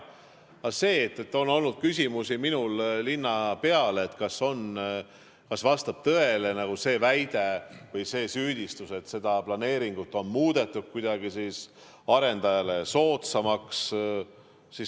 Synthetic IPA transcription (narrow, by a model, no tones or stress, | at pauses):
ɑse̞ːt̪ːˑet̪ːˑo̞nːo̞lnud̪̥̚kys̬ʲimusiminullinːɑpe̞ɑleːt̪kɑso̞n | kɑsvɑst̪ɑb̥̚t̪ɤe̞le̞nɑɡ̥use̞ːvæjd̪̥e̞vɤjse̞ːsyːd̪̥ʲist̪use̞t̪ːse̞d̪ɑplɑne̞ːɾiŋɡ̥ut̪ːˑo̞nmuːd̪̥e̞t̪ːˑud̥̪̚kujd̪̥ɑɡ̥isis | ɑɾe̞nd̪̥ɑjɑle̞so̞ːt̪sɑmɑks | si